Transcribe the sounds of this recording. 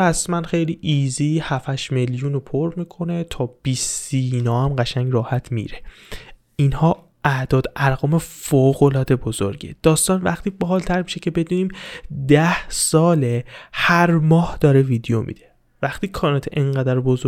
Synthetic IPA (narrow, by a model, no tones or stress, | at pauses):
æsmænxejliːʔiːziːhæfæʃmeljuːnopʰoɾmiːkʰo̞ne̞t̪ʰɒːb̥isinɒːæmɢæʃæŋɟɾɒːhæt̪ʰmḭːɾe | ʔinhɒː | ʔæd̪̥ɒːd̪æɾɣɒːme̞foːɣo̞lɒːd̪e̞bozoɾɟḛd̪̥ɒːst̪ɒːnvæχt̪iːbɒɦɒːlt̪ʰæɾmiʃe̞cʰe̞be̞d̪uːniːmd̪æhsɒːlehæɾmɒːhd̪̥ɒːɾe̞viːd̪ejomʔḭːd̪e | væxt̪iːkʰɒːnɑt̪ʰʔeŋɢæd̪æɾbozo